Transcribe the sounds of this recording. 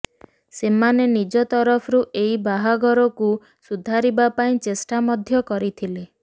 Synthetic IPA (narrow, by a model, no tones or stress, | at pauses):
semanenid͡ʒɔt̪ɔɾɔpʰɔɾuʔeibaɦaɡɔɾɔku | sud̪ʱaɾibapaĩt͡ʃesʈamɔd̪ʱjɔkɔɾit̪ʰile